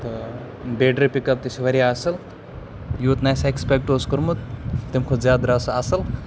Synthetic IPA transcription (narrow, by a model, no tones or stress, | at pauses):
t̪ɐ | beːɖɾipikɐp̚t̪isiʋɐɾiaːsɐl | juːt̪najsekspek̚ʈoːskɐɾmut̪ːimkʰozjaːd̪ɾasasɐl